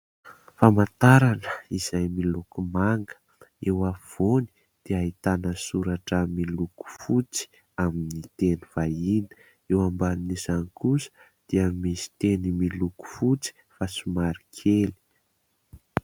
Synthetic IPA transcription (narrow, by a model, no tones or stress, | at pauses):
famat̪aɾanəiz̥ajmilukumaŋɡə̥ | ewav̥oni̥ | d̪̥eaɦit̪anəsuɾaʈ͡ʂəmiluku̥fut͡si̥ | aminit̪eniv̥ainə̥ | ewambaninizanikusə̥ | d̪̥eamisi̥t̪enimiluku̥fut͡si̥ | fasumaɾikʰeli̥